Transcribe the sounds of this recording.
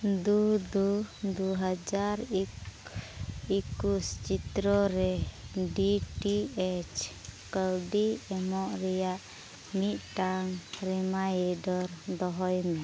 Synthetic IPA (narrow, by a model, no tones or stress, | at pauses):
d̪ud̪ud̪uɦad͡ʒaɾik | ikust͡ʃit̪ɾɔɾɛɖiʈiɛt͡ʃkəlɖiɛmɔʔɾɛjaʔ | mit̪̚ˀʈaŋɾɛmajɛɖɔɾd̪ɔɦɔjmɛ